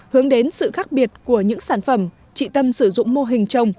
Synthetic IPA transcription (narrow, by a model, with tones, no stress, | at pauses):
hɨ˨˦əŋɗe˨˦nsɨ̰˧˨xaː˦˥k̚ɓi˨˩ət̚ku˧˩əɲɨ̰˧˥ŋsaː˧˩nfə˧˩m | t͡ɕḭ˧˨t̪ə˧msɨ˧˩zʊ̰˧˨ŋ͡mmo˧ɦï˨˩ŋ̟t͡ɕə˧˩wŋ͡m